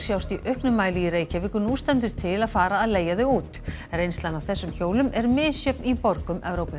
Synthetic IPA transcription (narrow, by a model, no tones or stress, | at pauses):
sjawst̪iʔœhknʏmːaːjlijɪɾeːjcavɪkʏnust̪ɛnt̪ʏɾ̥t̪ʰɪlaðfaːɾaːðleːjaðʏɣuːt̪rejnst̪lanavθɛsːʏmçoːwlʏmɛɾmɪðsjœpnipɔɾkʏmɛvɾowpɪ